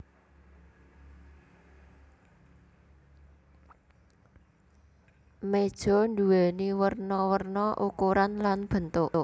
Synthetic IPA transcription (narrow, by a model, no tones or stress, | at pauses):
med̥ʒ̥ɔ̤nd̪uwɛniwərnɔwərnɔʔukuɾanlanb̥ə̤nt̪ʊʔʔ